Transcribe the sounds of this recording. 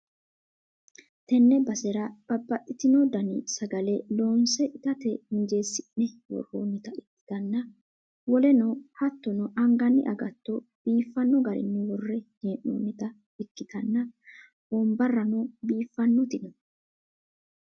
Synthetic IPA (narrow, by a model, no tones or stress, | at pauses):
t̪ɛnːɛbɐsɛɾɐb̥ɐbːɐʔːɪt̪ɪnɔd̪ɐnɪ̰sɐɡɐlɛloːnsɛʔɪt̪ɐt̪ɛhɪnd͡ʒe̞ːsːɪnːɛwɔ̰rːo̰ːnːɪt̪ɐɪkːɪ̥t̪ɐnːɐ | wɔlɛnɔhɐt̪ːɔnɔʔɐŋɡɐnːɪ̰ʔɐ̰ɡɐt̪ːɔb̥iːfːɐnːɔɡɐɾɪ̰nːɛwɔrːɛheːʔːo̰ːnːɪt̪ɐ | ɪkːɪt̪ɐnːɐ̥ | ɔmbɐrːɐnɔbiːfːɐnːɔt̪ɪnɔ